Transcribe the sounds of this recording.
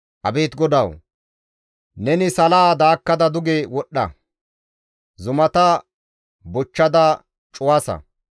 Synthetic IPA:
ʔɐ̰beːt̪ɡɔd̪ɐw | nɛnɪsɐlaːd̪aːkːɐd̪ɐd̪ʊɡewɔɗːɐ̰ | zʊmɐt̪ɐ | bʊt͡ʃːɐd̪ɐ | t͡ʃʼʊwaːsɐ̰

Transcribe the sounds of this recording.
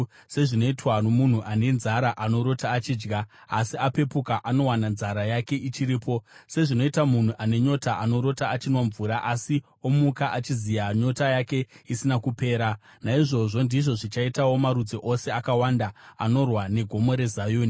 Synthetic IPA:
se̞ʐino̞itwanomun̤uʔane̞nzaɾaʔano̞ɾo̞taːt͡ʃiːd͡ʒɡaːsiape̞pukaʔano̞wananzaɾajake̞ʔit͡ʃiɾiːpʰo̞se̞ʐino̞itamun̤uʔane̞ɲo̞taʔano̞ɾo̞taːt͡ʃinwaɱvuːɾaʔasi | omukaʔat͡ʃizijaɲo̞tajake̞isinakupe̞ːɾanaiʐo̞ʐo̞ndiʐo̞ʐit͡ʃaitawo̞maɾud͡zeʔo̞se̞akawandaano̞rwane̞ɡʱo̞mo̞ɾe̞zajuːni

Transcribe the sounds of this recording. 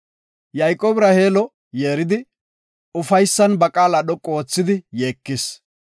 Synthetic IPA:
jɐjkʼoːbɪɾɐhe̞ːlɔ | je̞ːɾɪd̪ɪ | ʊfɐjsːɐnbɐkʼaːlɐɗɔkʼːoːt͡sːɪd̪ɪjeːkːɪs

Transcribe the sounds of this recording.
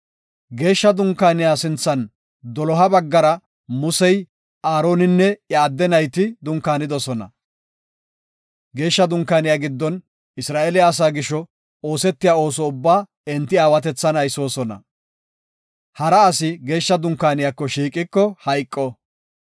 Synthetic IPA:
ɡe̞ːʃːɐd̪ʊŋkːaːnɪjaːsɪnt͡sːɐn | d̪ɔlɔɦɐbɐɡːɐɾɐ | mʊsɛj | aːɾo̞ːnɪnːɛjɐːd̪ːɛnɐjt̪ɪd̪ʊŋkːaːnɪd̪ɔsɔnɐ̰ | ɡe̞ːʃːɐd̪ʊŋkːaːnɪjaːɡɪd̪ːɔn | ɪsɾaːʔelɪjaːs̬aːɡɪʃːɔ | oːsɛt̪ːɪjaːo̞ːsɔʊbːaː | ɛnt̪ːɪaːwɐt̪ɛt͡sːɐnɐjsoːsɔnɐ̰ | hɐɾɐːsɪɡe̞ːʃːɐd̪ʊŋkːaːnɪjakːɔʃiːkʼːɪkːɔhɐjkʼːɔ

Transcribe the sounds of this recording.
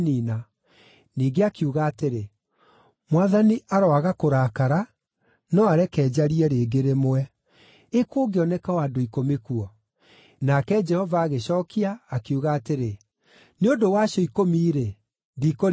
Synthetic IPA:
nina | niːɡeakuɣaːteɾe | mwaðaniʔaɾɔaɣakoɾaːkaɾa | nɔaɾɛkɛːd͡ʑaɾiɛɾeːɡeɾemowɛ | ekoːɡeɔnɛkawadoikomekuɔ | nakɛd͡ʒɛhɔvaːɣeɕɔːkiaːkeuɣaːteɾe | neodowaːɕɔikomiːɾe | diko

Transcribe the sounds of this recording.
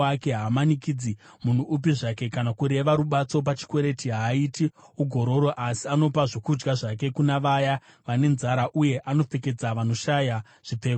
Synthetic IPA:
ake̞ɦamanikid͡zimun̤uːp̬iʐake̞kanakuɾe̞ʋaɾuɓat͡so̞p̬at͡ʃi̥kwe̞ɾe̞tiɦaitiuɡʱo̞ɾo̞ɾo̞ʔasiano̞paʐokud͡ʒɡaʐake̞kunaʋaja | ʋane̞nzaɾaʔuje̞ʔano̞p͡fe̞k̬e̞d͡zaʋano̞ʃaja | ʐ̥iteːk

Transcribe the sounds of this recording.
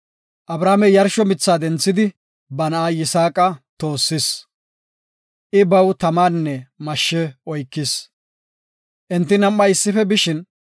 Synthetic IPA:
ʔɐbɾaːmɛjɐɾʃɔmɪt͡sːaːd̪ɛnt͡sːɪd̪ɪ | bɐnɐʔaːjɪsaːkʼɐt̪o̞ːsːɪs | ʔɪbɐwt̪ɐmaːnːɛmɐʃːɛɔjkːɪs | ʔɛnt̪ːɪnɐmːɐɪsːɪfɛbɪʃɪn

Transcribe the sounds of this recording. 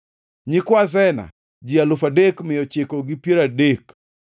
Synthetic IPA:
ɲɪkwaz̬ɛna̰ | d͡ʒialʊfadekmɪjɔt͡ʃɪkoɡɪpjeɾadek

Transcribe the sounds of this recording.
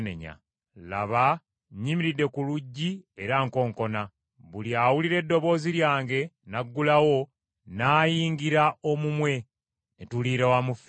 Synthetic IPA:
ne̞̰ɲa̰ | la̰βa | ɲimiɾidːe̞kuluɟːie̞ɾaŋko̞ːŋko̞na | βuliawuliɾe̞dːo̞βo̞ːziljaːŋɡe̞naɡːulawo̞ | naːjiːŋɡiɾaʔomumwe̞ | etuliɾewamuf

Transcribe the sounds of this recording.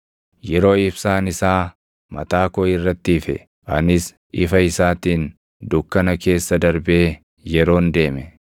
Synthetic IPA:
jɛɾo̞ːɪbsaːnɪsaː | mɐ̰t̪aːkɔɪrːɐt̪ːɪːfɛ̰ | ʔɐ̰nɪs | ɪfɐɪsaːt̪iːn | d̪ʊkːɐnɐke̞ːsːɐd̪ɐɾbeː | jɛɾo̞ːnd̪e̞ːmɛ

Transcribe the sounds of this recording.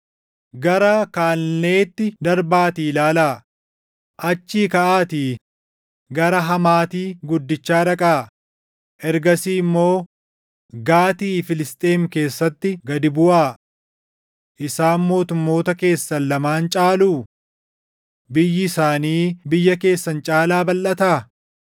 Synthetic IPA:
ɡɐɾɐkaːlne̞ːt̪ːɪd̪ɐɾbaːt̪iːlaːlaː | ʔɐt͡ʃːiːkɐʔaːt̪iː | ɡɐɾɐɦɐmaːt̪iːɡʊd̪ːɪt͡ʃːaːɾɐkʼaː | ʔɛɾɡɐsiːɪmːo̞ː | ɡaːt̪iːfɪlɪst̪ʼe̞ːmke̞ːsːɐt̪ːɪɡɐd̪ɪbʊʔaː | ʔɪsaːnmo̞ːt̪ʊmːo̞ːt̪ɐke̞ːsːɐlːɐmaːnt͡ʃʼaːluː | bɪjːɪsaːniːbɪjːɐke̞ːsːɐnt͡ʃʼaːlaːbɐlʔɐt̪aː

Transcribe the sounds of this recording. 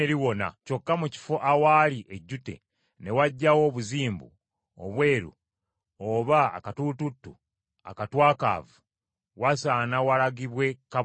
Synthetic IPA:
eɾiwo̞na̰co̞kːamuci̥fo̞ʔawaliʔeɟːute̞̰ | ne̞waɟːawo̞ːβuziːmbṵ | o̰βwe̞ːɾṵ | oβa̰ːkatututːṵ | a̰katwaːka̰ːvu | wasaːnawalaɡiβwe̞ka

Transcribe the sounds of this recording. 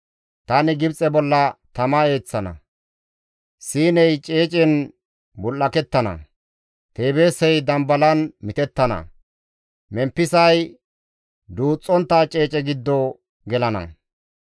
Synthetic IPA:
t̪ɐnɪɡɪbt͡sʼɛbɔlːɐt̪ɐmɐe̞ːt͡sːɐnɐ̰ | siːnɛjt͡ʃʼeːt͡ʃʼɪn | bʊlːɐkɛt̪ːɐnɐ̰ | t̪e̞ːbe̞ːsɛjd̪ɐmbɐlɐnmɪt̪ɛt̪ːɐnɐ̰ | mɛmpːɪsɐj | d̪uːt͡sʼːɔnt̪ːaːt͡ʃʼe̞ːt͡ʃʼɛɡɪd̪ːɔ | ɡɛlɐnɐ̰

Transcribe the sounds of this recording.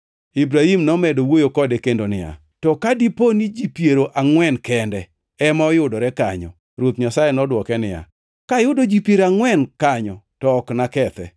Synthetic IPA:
ibɾahimnɔmɛdowojokɔdekendonɪja̰ | tɔkadiponid͡ʒipjeɾoʔaŋwɛnkɛndɛ | ɛmaɔjʊdɔɾɛkaɲɔ̰ | ɾwot̪ɲasajenɔdwɔkɛnɪja̰ | kajʊdod͡ʒipjeɾaŋwɛnkaɲɔtɔːknakɛt̪ɛ̰

